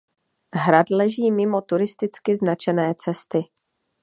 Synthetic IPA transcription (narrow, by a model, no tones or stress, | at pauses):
ɦɾad̪lɛʒiːmɪmo̞t̪uɾɪst̪ɪt͡skɪznat͡ʃɛnɛːt͡sɛst̪ɪ